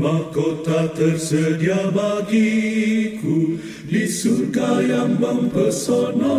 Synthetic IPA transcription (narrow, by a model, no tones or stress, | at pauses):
makot̪at̪ərsədiabaɡiku | disurɡajaŋbəŋpərsɔnɔ